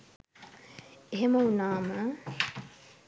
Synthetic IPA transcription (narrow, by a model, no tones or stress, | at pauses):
eɦeməunaːmə